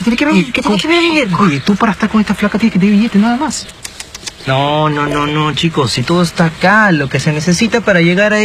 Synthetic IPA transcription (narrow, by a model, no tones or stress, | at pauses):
t̪enkeβeket̪ekeβeeeɾt̪upaɾaest̪aɾko̞nest̪aflakat̪eekejβiʝet̪enaðamas | nonono̞not͡ʃiko̞sit̪oðoest̪akalo̞ke̞se̞ne̞sesit̪apaɾaʝeɣaɾa